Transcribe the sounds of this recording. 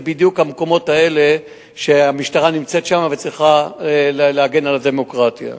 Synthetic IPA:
bid̪jukhamko̞mo̞tae̞le̞ | ʃeamiʃtaʁanimt͡se̞t̪ʃamave̞t͡sʁiχaleleaɡe̞nalade̞mo̞kʁat̪ja̰

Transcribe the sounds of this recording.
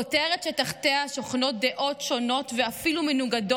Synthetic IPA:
oteʁetʃetaχteaʃoχno̞t̚d̪e̞ʔo̞tʃo̞no̞tveafilumenuɡado

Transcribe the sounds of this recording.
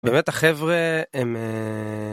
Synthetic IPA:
beːmet̪haχevʁeem

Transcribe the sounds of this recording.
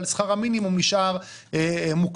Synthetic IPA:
lsχaʁaminimumliʃaʁ | emuk

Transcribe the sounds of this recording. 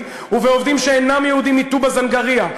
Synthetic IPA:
uveo̞vd̪imʃeenamjɛhud̪imit̪ubazanɡaʁia

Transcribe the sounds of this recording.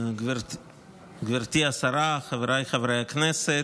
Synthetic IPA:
ɡvɛɾ | ɡvɛɾtiːasaɾaχavɾaɪχavɾaɪjaknɛsɛ

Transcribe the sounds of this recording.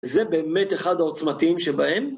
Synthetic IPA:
zebe̞ːmet̪eχad̪ao̞t͡smat̪iimʃebahe̞m

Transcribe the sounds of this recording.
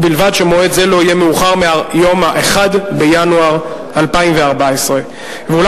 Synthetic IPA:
bilvadʃemoedzelo̞ijemeuχaʁmeajo̞maʔeχadbejanuaʁ | alpaimveaʁbaesʁe̞ | veul

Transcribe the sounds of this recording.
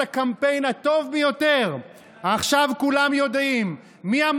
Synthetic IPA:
akampe̞jnat̪o̞vbejo̞te̞ʁ | aχʃavkulamjo̞d̪imː | iam

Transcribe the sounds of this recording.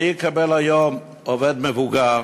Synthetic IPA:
ikʰabɛlajɔm | ɔvɛd̪̚mɛvuɡa

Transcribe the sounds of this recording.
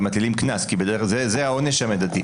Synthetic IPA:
mat̪lilimknaskibed̪ezezeao̞neʃamed̪at̪i

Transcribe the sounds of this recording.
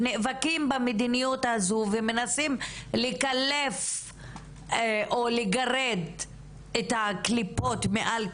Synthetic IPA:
nevakimbamed̪inijut̪azuvemenasimlikalef | ʔoleɡaʁed̪ | et̪aklipo̞t̪meʔal

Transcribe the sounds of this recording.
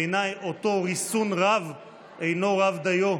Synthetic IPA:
enajoto̞ʁisunʁav | ʔejno̞ʁavd̪ajo

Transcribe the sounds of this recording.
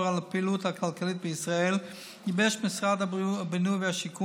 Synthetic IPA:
ʁalapiluːtakʰalkalit̚bəisʁaɛl | ibɛʃmɪsʁadabənuːvəaʃikʰu

